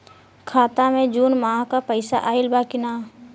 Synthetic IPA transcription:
kʰaːt̪amẽd͡ʒuːnmaːɦkapəɪsa̰ʔaːɪlbaːkɪnaː

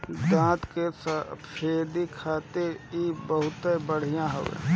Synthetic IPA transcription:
d̪ãːt̪kespʰeːd̪ikʰaːt̪eibəɦʊt̪ẽbəɽ̤ijãɦə̰wḛ̃

